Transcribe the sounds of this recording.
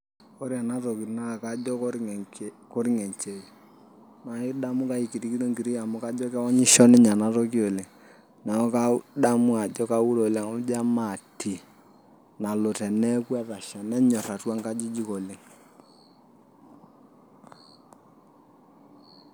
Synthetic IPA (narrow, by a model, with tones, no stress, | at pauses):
ko˦ɾja˨na˦to˨ki˨na˦˨ka˦d͡ʒɔ˦k | ko˦ɾi˦ŋɛ˨ɲt͡ʃe˨i˨ | na˨ɪ˦da˦mʊ˦ka˦i˨ki˨ti˦ki˦to˦ŋɡi˨ɾi˦ja˨mʊ˦ka˦d͡ʒɔ˦kɛ˦wɔ˦ɲɪ˦ʃɔ˦nɪ˦ɲa˨na˦to˦ki˦o˨le˨ŋ | na˨ɔ˦ka˦da˦mʊ˦a˨d͡ʒɔ˦ka˦wu˦ɾo˨le˨ŋɔ˦m˦d͡ʒa˦ma˨ti˨ | na˨lo˨tɛ˨nɛ˦kwɛ˦ða˨ʃɛ˨nɛ˦ɲɔ˨ra˨twa˦ŋka˦d͡ʒi˦d͡ʒi˦ko˨le˨ŋ